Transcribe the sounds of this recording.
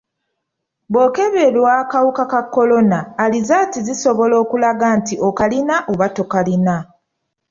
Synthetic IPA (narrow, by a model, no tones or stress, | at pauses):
bo̞ːke̞βe̞lwaːkawukakakːo̞lo̞naːlizatiziso̞βo̞lo̞ːkulaɡantiʔo̞kalinaʔoβato̞kalina